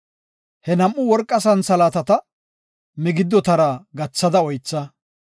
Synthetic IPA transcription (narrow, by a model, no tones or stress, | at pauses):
hɛnɐmʔːʊwɔɾkʼːɐsɐnsɐlaːt̪ɐt̪ɐ | mɪɡɪd̪ːɔt̪ɐɾaɡɐt͡sːɐd̪ɐɔjt͡sːɐ